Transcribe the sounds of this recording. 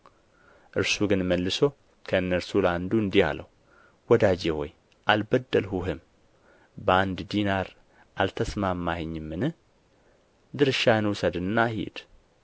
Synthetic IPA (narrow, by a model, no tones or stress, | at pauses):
ʔɨɾsuɡɨnməlːɨso | kʰəɨnːəɾsuland̪uɨnd̪iha̰ləwu | wɔd̪ad͡ʒeho̰j | ʔalbəd̪ːəlhuɦɨm | bəand̪d̪inaɾ | ʔalt̪ʰəsmamːahɨɲːɨmːɨnɨh | d̪ɨɾɨʃaɨnwʊsəd̪ɨnːahḭd̪̥